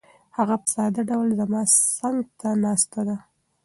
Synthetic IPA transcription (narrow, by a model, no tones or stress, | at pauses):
haɣapə̥sɑd̪aɖawlzamɑsaŋɡt̪ʰanɑst̪ad̪a